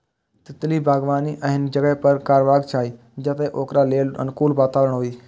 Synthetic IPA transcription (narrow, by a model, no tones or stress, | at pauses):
t̪ɪt̪libʱaːɡʋaːniʔə̃ɦɪnd͡ʒɐɡəɦpɐɾkaːɾʋaːɡt͡ʃʰaːɦiː | d͡ʒət̪eʔoːkɾaːleːlə̰nkuːlʋaːt̪aːʋəɾəɽ̃ɳɦoːiː